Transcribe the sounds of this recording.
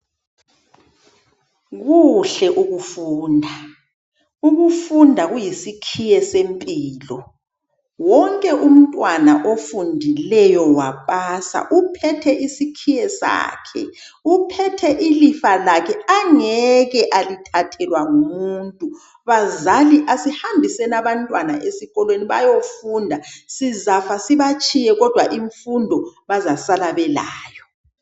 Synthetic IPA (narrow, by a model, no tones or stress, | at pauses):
ɣuɬɛʔuɣufuːndʱa | uɣufundʱaɣujisikʰijɛsempʼiːlɔ | wɔŋkʼɛʔum̩tʼwanaʔofundʱilɛjɔwapʼasa̰ʔupʰɛtʰɛʔisikʰijɛsa̰ːkʰɛ̰ | upʰɛtʰɛʔilifalakʰɛaŋɛɣɛʔalitʰatʰɛlwaŋumuntʼu | βazaliʔasihambʱisɛnaβantʼwana̰ʔesiɣɔlweniβa̰jofundʱasizafasiβat͡ʃʰʼijɛɣɔd̥ʱwaʔiɱfundʱɔβazasalaβɛlaːjɔ